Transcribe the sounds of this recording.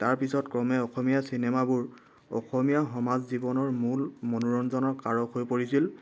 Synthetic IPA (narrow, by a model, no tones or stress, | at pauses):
taɹpisɔtkɹɔmɛɔxɔmijasinɛmabuɹ | ɔ̰xɔmijaɦɔmazzibɔnɔɹmulmɔnuɹɔnzɔnɔɹkaɹɔkɦojpoɹisil